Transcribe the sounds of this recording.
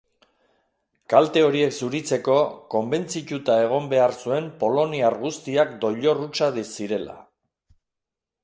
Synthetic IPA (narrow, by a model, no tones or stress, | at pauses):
kalt̪e̞o̞ɾie̞ksuɾit͡se̞ko̞ko̞mbe̞nt͡sit̪ut̪ae̞ɣ̞o̞mbe̞aɾsue̞mpo̞lo̞niarɣust̪iakd̪o̞ʎo̞rut͡ʃaðisiɾe̞la̰